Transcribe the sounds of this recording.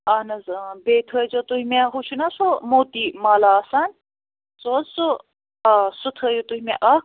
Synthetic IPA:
anɐzbeːt̪ʰəd͡ʒot̪uɦimeɦut͡ʃʰunasomoːt̪imaːlaːsaːnʲ | soːzso | sut̪ʰəːjut̪uɦʲimeʔɐ

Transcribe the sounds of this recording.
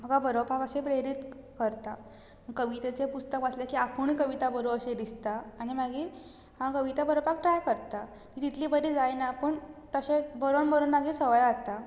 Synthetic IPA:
m̤əɡabəɾobʱakəɕẽpɾeɾit̪ | kəɾt̪a | məkəʋit̪et͡sepust̪əkʋat͡slekiapuɳkəʋit̪abəɾoəɕed̪ist̪aːɽ̃imaɡiːɾ | hãkəʋit̪abəɾobak̚ʈɾajkəɾt̪a | kit̪it̪ʰlibəɾid͡zajnapəɳt̪əɕebəɾoɳbəɾonmaɡiːsəʋəjat̪a

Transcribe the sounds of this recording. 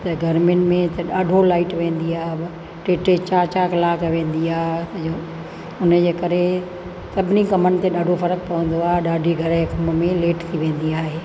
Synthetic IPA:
t̪ɐɡʱɐɾmɪnɪ̆mẽt̪ɐɗaːɖʱolaːɪʈʋẽːn̆d̪iaːɦ | ʈeːʈet͡ɕaːt͡ɕaːklaːkʰʋẽːn̆d̪iaːɦt̪ɐd͡ʑoː | ʊnə̆d͡ʑeːkɐɾe | sɐbʱɪnikɐmənɪ̆t̪eɗaːɖʱofɐɾək̚pɐʋə̃nd̪oaːɦeɗaːɖʱiɡʱɐɾəkɐmmẽleːʈt̪ʰiʋẽːnd̪iaːɦeː

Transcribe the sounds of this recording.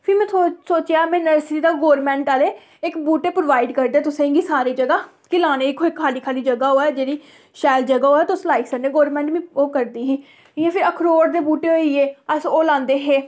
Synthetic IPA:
pʰɪɾmɛ̃ːsoːt͡ʃjaːmɛ̃ːnəɾsɾiːd̪aːɡoːɾmɛ̃ːɳʈaːleː | ɪkbuːʈeːpɾoːʋaːiɖkəɾd̪eɛːt̪ʊsẽːŋɡiːsaːɾiːd͡ʒəɡaː | kɪlaːneːɪkʰoːɪkʰːaːliːkʰaːliːd͡ʒəɡaːoːɛːd͡ʒeːɾiː | ʃaːɪld͡ʒəɡaːɦoːɛːt̪ʊslaːɪksəɾneːɡoːɾmɛ̃ːɳʈmĩːoːkəɾd̪iːɦiː | ɪãːpʰɪɾəkʰɾoːɾd̪eːbuːʈeːɦoːieːəsoːlãːnd̪eːɦeː

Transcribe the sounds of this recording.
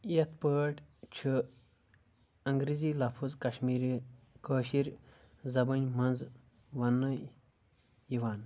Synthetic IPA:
jɐt̪̚pəːʈt͡ʃʰɨ | ɐŋɡɾizilɐpʰuzkɐʃmiːɾi | kəːʃiɾ | zɐbɐnʲmɐnz | ʋɐnːɨ | iʋaːn

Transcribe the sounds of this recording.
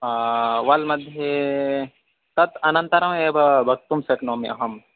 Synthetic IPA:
ʋɐlmɐd̪ʱje | t̪ɐt̪ɐnɐnt̪ɐɾɐmeːbɐbʱɐk̚t̪umsɐknoːmḛɐɦɐm

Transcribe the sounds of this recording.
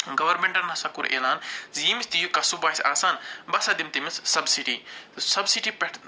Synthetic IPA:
ɡɐʋɐɾmẽɳʈɐɾnɐsakuɾʔḛːlaːnzimisʲt̪ijukɐsubaːisʲaːsaːnbɐsad̪imt̪imissɐbsiʈisɐbsiʈipɐʈ

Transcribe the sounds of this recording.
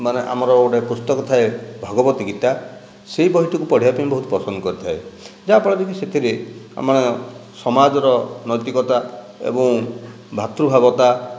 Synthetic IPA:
maneʔa̰mɔɾɔoɽepɾust̪ɔkɔt̪ʰaebʱɔɡɔbɔt̪iɡit̪a | seɦibɔɦit̪ɔkupɔɽ̤iapanĩbɔɦut̪ɔ̥pɔsɔnd̪ɔkɔɾit̪ʰaed͡ʒapɔɽɔd̪ekiset̪ʰiɾea̰maɽ̃esɔmad͡ʒɔɾɔnɔjt̪ikɔt̪a | ḛbɔ̃ŋ | bʱat̪ɾubʱabɔt̪a

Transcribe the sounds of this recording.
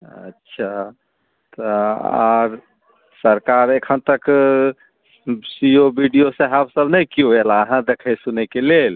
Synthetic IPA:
ə̰tːʃʰa | t̪ɔa̰ɾ | səɾkaɾekʰənt̪ək | siobiɖijoseɦabsəbnəjkioelaəɦãd̪ekʰəjsunekelel

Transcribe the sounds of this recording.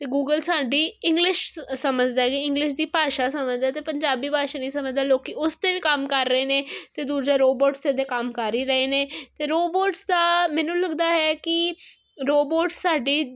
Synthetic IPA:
t̪eːɡuːɡəlsaːɖiːɪ̃ŋɡlɪʃsəməd͡ʒd̪aːɛkiɪ̃ŋɡlɪʃd̪iːpaːʃaːsəməd͡ʒd̪aːt̪eːpəɲd͡ʒaːbiːpaːʃaːniːsəməd͡ʒd̪aːloːkiʊst̪eːʋiːkəmkəɾːəeːneːt̪eːd̪uːɾd͡ʒaːɾoːboːʈst̪eːd̪eːkəmkaɾiːɾəeːneːt̪eːɾoːboːʈsd̪aːmɛ̃ːnũːləɡd̪aːɦɛːkɪ | ɾoːboːʈssaːɖiː

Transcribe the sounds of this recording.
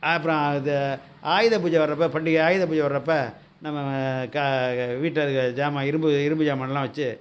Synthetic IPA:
ɐpːɯɾɐ̃ɐðɐ | aːjɪðɐpuːd͡ʒɐʋɐɾɾɐpːɐpɐɳɖɪkaːjɪðɐp̬uːd͡ʒɐʋɐɾːɐpːɐ | nɐmːɐɐkaʋiːʈːɐðɯkːd͡ʒaːmaɪɾɯmbɯɪɾɯmbɯd͡ʒaːmɐnɐlːãːʋɐt͡ʃːɯ

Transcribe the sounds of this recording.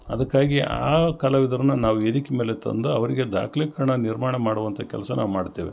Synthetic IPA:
ɐd̪ɐkːaːɡia̰ːkɐlɐʋid̪ɐɾɐnunaːʋued̪ikmeːlet̪ɐ̰nd̪uɐʋɐɾiɡe̞d̪a̰ːkʰɐlikɐɾɐɳɐniɾmaːɳɐmaːɽuʋɐnt̪ʰɐkɛlɐsɐnʔa̰ːʋumaːɖt̪ːeːʋḛ

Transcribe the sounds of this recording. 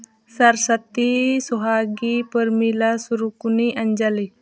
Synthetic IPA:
saɾsat̪isɔɦaɡipəɾmilasuɾukuniʔaɲd͡ʒali

